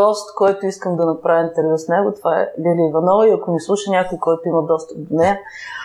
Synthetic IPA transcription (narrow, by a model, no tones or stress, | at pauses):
ɔst̪kɔjt̪ʊiskəmd̪ɐnɐpɾavʲimt̪ɛɾʲɡəsnɛɡʊt̪ovaɛ̰lʲɛlʲiivɐnɔviɐkʊnislˠuʃɐnʲakʊjkɔjt̪ʊimɐd̪ɔst̪əd̪nɛɐ